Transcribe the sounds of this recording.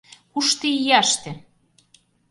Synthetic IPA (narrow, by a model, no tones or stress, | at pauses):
kuʃt̪ijɑʃt̪ĕ